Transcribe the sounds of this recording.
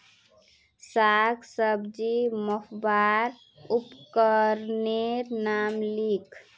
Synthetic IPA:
saɡsəbd͡ʒiməhbaɾ | upkəɾneɾnamlikʰ

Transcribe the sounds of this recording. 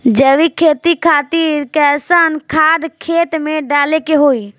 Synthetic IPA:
d͡ʒəʋikʰeːt̪ikʰaːt̪iːɾkɛːsaːnkʰaːd̪kʰeːt̪mẽɖaːlekeɦoːiː

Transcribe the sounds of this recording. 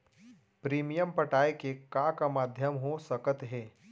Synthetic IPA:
pɾiːmijəmpəʈaːekekakamaːd̪ʱjəmɦosəkət̪ɦɛː

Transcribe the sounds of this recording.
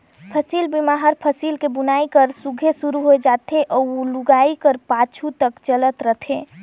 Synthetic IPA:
pʰəsilbimaɦəɾpʰəsilkebunaikəɾsuɡʱesuɾuɦoed͡ʒat̪ʰeʔɔːoluɡaikəɾpat͡ʃʰut̪əkt͡ʃələt̪ɾət̪ʰe

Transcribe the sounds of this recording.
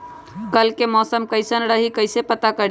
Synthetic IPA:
kəlkemɔːsəmkəjsənɾəɦikəɪsepət̪akəɾ

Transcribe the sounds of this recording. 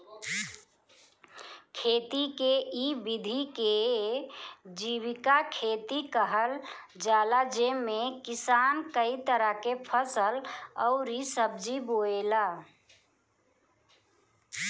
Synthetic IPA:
kʰet̪ikeʔibid̪ʱike | d͡ʒiβikakʰet̪ikəɦəl | d͡ʒalad͡ʒemekisankəit̪əɾəkepʰəsəlɔʊɾisəb̚d͡ʒiboela

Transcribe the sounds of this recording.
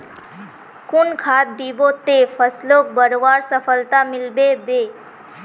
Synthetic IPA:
kʊnkʰaːt̪̚d̪ibot̪efʰəslok̚bəɾʋaːɾsəpʰəlt̪amɪlbebeː

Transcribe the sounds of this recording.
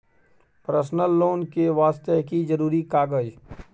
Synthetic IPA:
pɾəsnəlːoːnkeʋaːst̪əɦkid͡ʒəɾuːɾikaːɡəd͡ʒ

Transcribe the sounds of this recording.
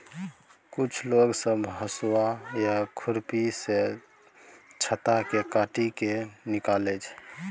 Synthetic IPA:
kut͡ʃʰloɡsəbɦəswajakʰuɾpise | t͡ʃʰət̪akekaʈikenikalɛt͡ʃʰ

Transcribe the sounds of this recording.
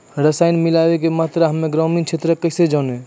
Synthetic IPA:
ɾəsaːɪnmɪlaːʋekemaːt̪ɾəɦəmːẽɡɾɔːmĩnt͡ʃʰet̪ɾəkəɪsed͡ʒaːnẽ

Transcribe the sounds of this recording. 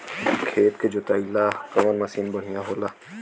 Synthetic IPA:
kʰeːt̪ked͡ʒot̪aːilaːkɐmənmɐsiːnbɐɽ̤ijãɦoːlaː

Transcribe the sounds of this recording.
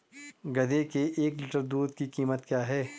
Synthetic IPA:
ɡɐd̪ekeʔeːklɪʈəɾd̪uːd̪kikiːmət̪kjaːɦɛː

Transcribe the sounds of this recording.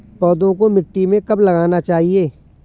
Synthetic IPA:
pɔːd̪õkomɪʈːimẽkɐblɐɡaːnat͡ʃaːɦieː

